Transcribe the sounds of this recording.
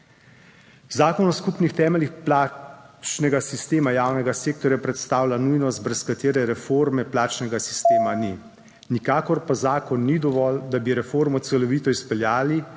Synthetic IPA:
zaːkɔnɔskupnixt̪ɛːmɛlixplaːt͡ʃnɛɡasist̪eːmajaːwnɛɡaseːk̚t̪ɔɾjapɾɛt̪st̪aːwlanujnɔst̪̚bɾɛskat̪eːɾɛɾɛfoɾmɛplaːt͡ʃnɛɡasi̥st̪eːmani | nikaːkɔɾpazaːkɔnːid̪ɔʋɔld̪abiɾɛfoɾmɔt̪sɛlɔʋiːt̪ɔispɛljaːli

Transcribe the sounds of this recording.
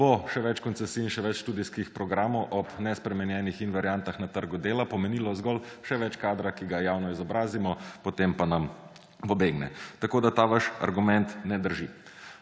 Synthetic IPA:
boʃɛʋɛt͡ʃkɔntsɛsiːnʃɛʋɛt͡ʃʃt̪uːd̪iskixpɾɔɡɾaːmɔwʔɔpnɛspɾɛmɛnjɛnixinʋaɾjant̪axnat̪əɾɡud̪eːlapɔmɛniːlɔzɡɔlʃɛʋɛt͡ʃkaːd̪ɾakiɡajaːwnɔizɔbɾaːzimɔpot̪empanam | pɔbeɡnɛ̰t̪akoːd̪at̪aːʋaʃa̰ɾɡumɛnt̪nɛd̪əɾʒi

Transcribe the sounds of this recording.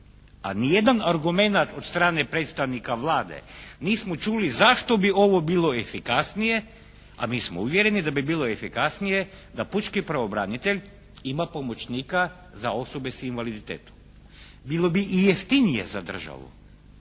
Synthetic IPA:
a̰nije̞d̪anaɾɡume̞nat̪o̞t̪st̪ɾaːnepɾet̪st̪aʋnikaʋlˠaːd̪e̞̰niːsmot͡ʃulizaʃt̪o̞bio̞ʋo̞biːlˠo̞efikasnije̞ | a̰miːsmouʋjeɾe̞nid̪abibilˠo̞efikasnije̞ | d̪aput͡ʃkipɾaobɾa̰nit̪e̞ʎʲ | imapo̞mo̞t͡ʃniːka | zao̞so̞be̞sinʋalid̪it̪ḛːt̪u̥ | bilˠo̞biʔijeft̪inijḛzad̪r̩ʒa̰ʋṵ

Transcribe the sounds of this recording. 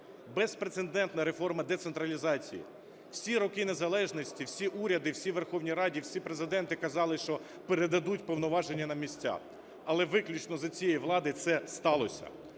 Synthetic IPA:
bɛspɾesend̪ɛnt̪nɐɾe̞fɔrmɐd̪et̪sent̪ɾɐlʲizɑt͡sʲḭjḭ | wsʲiɾɔkɪne̞zɐlˠɛʒnɔsʲtʲiwsʲiʔuɾʲɐd̪ɪwsʲiʋerxɔwnʲiɾɑdʲiwsʲipɾezɪd̪ɛnt̪ɪkɐzɑlˠɪʃt͡ʃɔ | peɾed̪ɐd̪utʲpɔwnɔʋɑʒe̞nʲːɐnɐmʲisʲtʲa̰ | ɐlˠɛʋɪklʲit͡ʃnɔzɐt͡sʲijɛjiʋlˠɑd̪ɪjt̪sɛst̪ɑlˠɔsʲɐ̰

